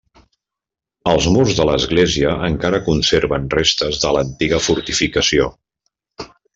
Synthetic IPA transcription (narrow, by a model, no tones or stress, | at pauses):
əlˠzmurzðələzɣleziəʔəŋkaɾəkunseɾβənrest̪əzðələnt̪iɣəfuɾt̪ifikəsio